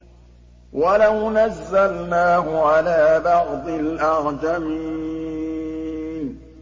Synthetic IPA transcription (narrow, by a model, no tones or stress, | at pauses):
walawnazːalnaːhʊʕalaːbɑʕd̪ˤɪlʔɑɣd͡ʒamiː | n